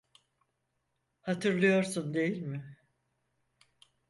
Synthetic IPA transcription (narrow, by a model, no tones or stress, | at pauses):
hat̪ʰɯɾlˠɯjo̞ɾsund̪e̞jilʲmɪ